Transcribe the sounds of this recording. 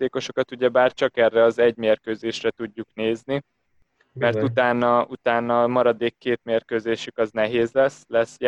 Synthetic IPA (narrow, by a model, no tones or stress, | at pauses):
t̪eːko̞ʃo̞kɒt̪uɟɛbaːrt͡ʃɒkɛrːɛɒzɛɟmeːrkøːzeːʃrɛt̪uɟːukneːzni | mɛrt̪ut̪aːnːɒut̪aːnːɒːmɒɾɒd̪eːkːeːt̪meːrkøːzeːʃykɒznɛɦeːzlɛslɛsːj